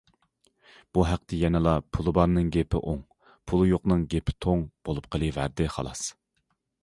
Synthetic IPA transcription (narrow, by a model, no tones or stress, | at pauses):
b̥uɦæq̚t̪ʰɛjɛnɨlˠɑpʰulˠɨbɑɾnɨŋɡʲepʰɪ̰ʔoŋ | pʰulˠɨjoqnɨŋɡʲepʰɪ̥t̪ʰoŋb̥olˠup̚qʰəlˠɨvæ̰ɾd̪ɪχɑ̰lˠɑ̰s